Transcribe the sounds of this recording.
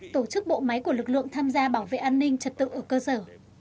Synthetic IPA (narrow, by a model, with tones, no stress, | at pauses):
t̪o˧˩t͡ɕɨ˦˥k̚ɓo̰˧˨ma˨˦jku˧˩əlɨ˨˩k̚lɨ̰˧˨əŋt̪ʰaː˧mzaː˧ɓaː˧˩wvḛ˧˨ʔaː˧nːï˧ŋ̟t͡ɕə˨˩t̚t̪ɨ̰˧˨ʔəː˧˩kəː˧səː˧˩